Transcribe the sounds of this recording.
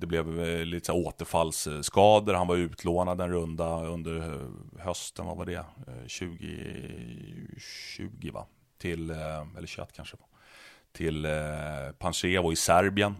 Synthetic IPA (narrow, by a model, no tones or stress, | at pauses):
d̪̥ɛblɛvlit̪ə̥sæɾoːt̪əɾfalːsːkɑːd̪əɾhanvaɾʉ̟ːt̪ʰloːnad̪ɛnɾɵnd̪aɵnd̪əɾhœst̪ənva̰vaɖ̪ɛ̰ɕʉ̟ːɡɪ̰ | ɕʉ̟̰ːɡɪva̰ | t̪ʰɪlɛ̰lːəɾɕɛ̰t̪ːkʰanʂəv | t̪ʰɪl | pʰanʂeːvɔɪsæɾbɪən